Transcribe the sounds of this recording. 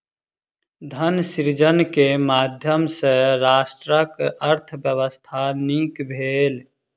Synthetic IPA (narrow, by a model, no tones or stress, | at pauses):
d̪ʱənsiɾd͡ʒənkemaːd̪ʱjəmseɾaːsʈɾəkəɾt̪ʰəbjəwəst̪ʰanikbʱeːl